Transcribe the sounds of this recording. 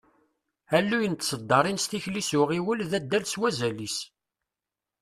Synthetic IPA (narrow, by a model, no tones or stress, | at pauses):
ælːujənt̪ːsəd̪ːɑɾˤinst̪içlisʊʁiwəlðæd̪ːælswæzælis